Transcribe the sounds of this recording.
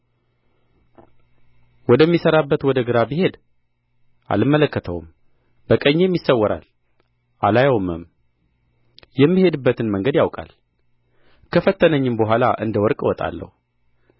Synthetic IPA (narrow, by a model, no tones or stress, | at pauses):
wɔd̪əmːisəɾabːət̪wɔd̪əɡɨɾabihe̞d̪ | ʔa̰lɨmːələkːət̪ʰə̰wṵm | b̥əkʼəɲːemjisːəwːɔɾa̰l | ʔalajawmɨm | jɛmːihe̞d̪ɨbːət̪ɨnməŋɡəd̪jawkʼa̰l | kʰəfət̪ːənəɲːɨmbəɦʷalaʔɨ̰nd̪əwɔɾkʼwɔt̪ʼa̰lːə̰hu